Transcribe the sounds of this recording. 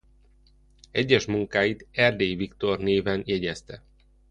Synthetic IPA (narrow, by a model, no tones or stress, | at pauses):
ɛɟːɛʃmuŋkaːjit̪ɛrd̪eːjvikt̪orneːvɛnjɛɟɛst̪ɛ